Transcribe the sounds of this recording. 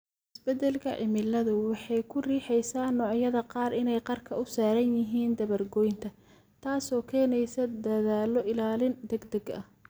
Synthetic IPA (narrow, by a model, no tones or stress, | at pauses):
ʔɪsbɛd̪ɛlkʰɐ̰ʕɪmɪlɐðʊwɑħɑjkʰʊriːħɛjsaːnːɔːʕjɐðɐqɑːrʔɪnɛjqɑrkʰɐʊsaːɾɐnjɪɦiːnd̪ɐβɐrɡɔːjnt̪ʰɐ | t̪ʰaːsɔːkʰɛːnɛjsɐd̪ɐðaːlɔʔɪlaːlɪnd̪ɛɡd̪ɐɡɐ̰h